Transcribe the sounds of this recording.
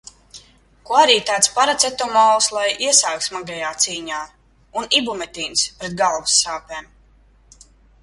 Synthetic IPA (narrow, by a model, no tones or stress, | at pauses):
kuɔaɾiːt̪aːt̪spaɾat̪sɛt̪ɔmɔwlˠslˠajiɛsaːk̪smaɡajaːt̪siːɲaː | unibumɛt̪iːnspɾɛt̪̚ɡalˠvusːaːpeːm